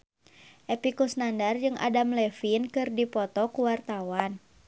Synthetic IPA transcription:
ʔɛpikusnandard͡ʒɨŋa̰damlɛfinkɨrdipɔt̪ɔkuwart̪awan

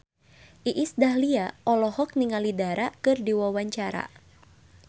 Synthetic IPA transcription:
ʔiʔisdaɦliaʔɔlɔhɔk̚niŋalidaɾakɨrdiwawaɲt͡ʃaɾa̰

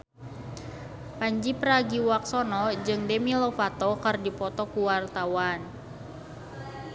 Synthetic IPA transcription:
paɲd͡ʒipəɾaɡiwak̚sɔnɔd͡ʒɨŋdɛmilɔfat̪ɔkərdipɔt̪ɔkuwart̪awan

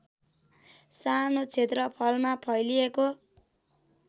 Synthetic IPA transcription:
sanot͡sʰet̪rʌpʰʌlmapʰʌjlijeko

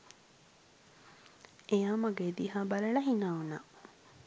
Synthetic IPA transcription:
ejaːmɐɡed̪iɦaːbɐlɐɭɐɦinaːuna̰ː

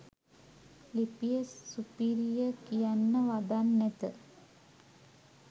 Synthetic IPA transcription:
lipijəsːupiɾijəkijanːəʋad̪anːæt̪ə

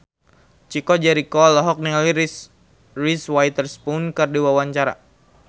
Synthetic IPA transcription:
t͡ʃikɔd͡ʒɛɾikɔlɔɦɔk̚niali | riswajt̪ərspunkɨrdiwawaɲt͡ʃaɾa̰

